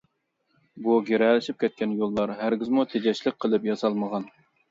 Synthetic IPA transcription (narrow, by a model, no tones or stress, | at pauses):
buɡʲeɾɛlɪʃip̚kʲʰɛt̪̚kʲɛnjolˠːɑɾɦæɾɡʲɪzmut̪ʰed͡ʒɛʃlɪk̚ʲqʰəlˠɨpjɑsɑlˠməʁɑn